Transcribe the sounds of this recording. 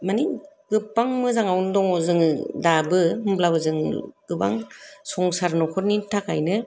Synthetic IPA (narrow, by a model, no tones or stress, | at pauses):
mani | ɡ̥ɯpːaŋmɯzaŋawndɔŋɔzɯŋdabɯɦɯmblabɯzɯŋɡ̥ɯba̰ŋsɔŋsaɾnɔkʰɔɾnintʰakajnɯ